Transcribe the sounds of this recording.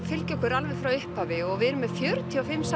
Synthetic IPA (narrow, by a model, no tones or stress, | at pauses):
fɪlcɔhkʏɾalvɛð̥fɾawʏhpavɪɔɣvɪɛɾʏmːɛðfjœɾt̪ʰiɔfɪmːs